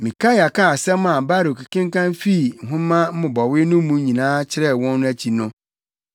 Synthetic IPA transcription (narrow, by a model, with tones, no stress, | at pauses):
mĩ˨kʰa˦ja˨ka˦˨sɛ̃˦mã˨ba˦ɾo˨kʰi˨kɪ̃˦ŋ˦kã˦nfi˦˨ŋ̩˨ɦʊ̃˦mã˦m̩˦mʊ̃˨bɔ˨wɪ˦nʊ̃˦m˦mũ˦ɲĩ˨nãː˦t͡ɕʰɪ˦ɾɛ˦wɔ̃˦nː˦ʊ̃˦æ˦t͡ɕʰi˨nʊ̃˦